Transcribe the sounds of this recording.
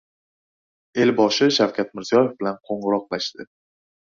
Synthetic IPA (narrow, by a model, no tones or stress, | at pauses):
e̞lbɒʃɪʃawkʲʰat̪̚mɪɾzijɒje̞fbɪlanqʰoɴʁɨɾɒqlaʃt̪ɪ